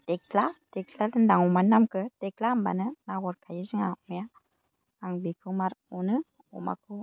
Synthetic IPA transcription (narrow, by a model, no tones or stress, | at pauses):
t̪ek̚lat̪eklalɯndaŋumanamkɯt̪ek̚lamba̰nɯnawɔɾkʰajiziŋamuja | aŋbikʰɯmaɾunɯ | o̰ma̰kʰu